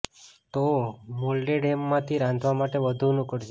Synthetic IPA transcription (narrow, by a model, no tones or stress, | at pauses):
t̪omolɖeɖemːãt̪ʰiɾãnd̪ʋamaʈeʋəd̪ʱunũkəɾd͡ʒe